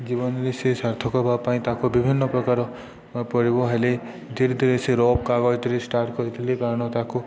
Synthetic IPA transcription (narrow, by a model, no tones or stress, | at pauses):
d͡ʒibɔnɾesesaɾt̪ʰɔkɔbapaĩt̪akubibʱinːɔpɾɔkaɾɔ | pɔɾibɔɦele | d̪iɾd̪ɾeseɾɔp̚kaɡɔɾit̪ilisʈaɾʈkɔɾit̪ʰilekaɾɔɽ̃ɔt̪aku